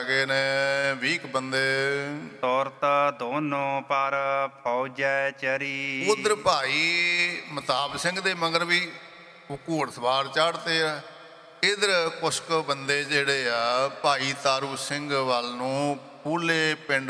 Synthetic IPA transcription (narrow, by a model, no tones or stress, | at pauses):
ɡeːnẽːʋiːkbənd̪eːt̪ɔːɾt̪ːd̪oːnõːpaːɾpʰaːd͡ʒaːt͡ʃəɾiːʊd̪əɾpaːiːmət̪aːbsɪ̃ŋɡd̪eːməɡəɾbiː | ʊkuːɽt̪ʰbaːɾt͡ʃaːɽt̪eːaː | ɪd̪əɾkʊskbənd̪eːd͡ʒeːɽeːaːpaːiːt̪aːɾuːsɪŋɡʋalnũː | puːleːpɪɳɖ